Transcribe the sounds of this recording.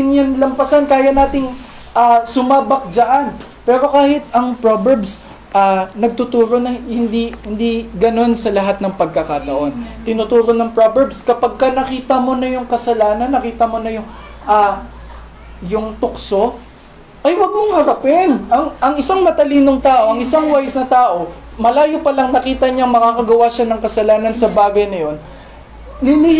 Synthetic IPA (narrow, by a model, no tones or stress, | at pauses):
ɪnjɐnlɐmpɐsankaːjɐnaːt̪ɪŋ | ʔasʊmaːbɐk̚d͡ʒɐʔan | pɛːɾo̞kaːhɪt̪̚ɐŋpɹobɛɹbs | ʔaːnɐɡ̚t̪ʊt̪uːɾo̞nɐhɪnd̪ihɪnd̪iɡɐno̞nsɐlɐɦat̪̚nɐŋpɐɡ̚kɐkat̪ɐʔo̞nt̪ɪnut̪uːɾo̞nɐŋpɹobɛɹbskɐpɐɡ̚kɐnɐkiːt̪ɐmo̞nɐjʊŋkɐsɐlaːnɐnːɐkiːt̪ɐmo̞nɐjʊŋ | ʔa | jʊŋt̪ʊkso̞ | ʔɐjwɐɡ̚moŋhɐɾɐpɪnʔɐŋɐŋɪsaŋmɐt̪ɐliːnoŋt̪aːʔo̞ʔɐŋʔɪsaŋwajɐsnɐt̪aːʔo̞ | mɐlaːjopɐlɐŋnɐkiːt̪ɐɲɐŋmɐkakɐɡɐwaʃanɐŋkɐsɐlaːnɐnsɐbaːɡɐjnɐjo̞n | lɪli